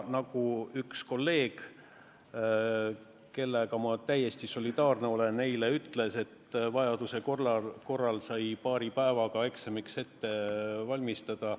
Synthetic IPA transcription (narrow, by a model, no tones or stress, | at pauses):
nɑɡ̥uyksko̞lːe̞ːɡ̥ | ke̞lːeɡɑmɑt̪æje̞st̪iso̞lʲid̪̥ɑːrneo̞le̞nne̞jleyt̪ˑle̞se̞t̪ːvɑjɑd̪̥use̞korɑko̞rːɑlsɑjpɑːɾipæevɑɡ̥ɑe̞ksemikse̞t̪ːe̞vɑlʲmist̪ɑd̪̥ɑ